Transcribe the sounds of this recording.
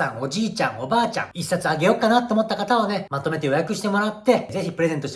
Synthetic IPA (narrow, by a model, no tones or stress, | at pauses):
ãŋo̞ʑiːt͡ɕã̰ŋo̞baːt͡ɕã̰ŋisːat͡sɨaɡe̞jo̞kːanat̪ːe̞omo̞t̪ːakat̪aone̞mat̪o̞me̞t̪̬ejo̞jakɯ̟ɕi̥t̪e̞mo̞ɾat̪ːe̞ze̞çʲipɯɾe̞ze̞nt̪oɕi̥